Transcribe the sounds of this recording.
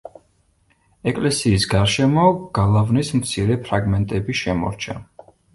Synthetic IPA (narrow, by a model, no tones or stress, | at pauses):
ɛkʼlɛsiːsɡaɾʃɛmɔɡ̥alˠavnismt̪sʰiɾɛpʰɾaɡmɛnt̪ʼɛbiʃɛmɔ̰ɾt͡ʃʰa